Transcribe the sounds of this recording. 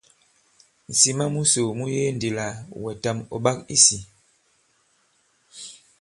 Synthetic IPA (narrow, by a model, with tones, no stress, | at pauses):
n̩˨si˨ma˦mu˦so˨mu˦je˦n˨di˨la˨wɛ˨ta˦mɔ̰˨ɓa˦kḭ˦si˨